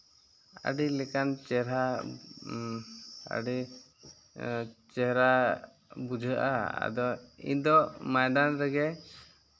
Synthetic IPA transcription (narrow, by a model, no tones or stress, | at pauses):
a̰ɖilɛkant͡ʃɛɾa | ə̰ɖi | t͡ʃɛɦɾa | bud͡ʒʱəʔa̰a̰d̪ɔḭd̪ɔmajd̪anɾɛɡɛ